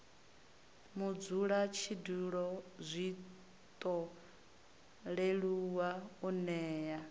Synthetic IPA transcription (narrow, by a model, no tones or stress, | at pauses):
mud͡zuɺat͡ʃʰiduɺɔzʷi | t̪ʼɔ | ɺeɺuwaunɛːja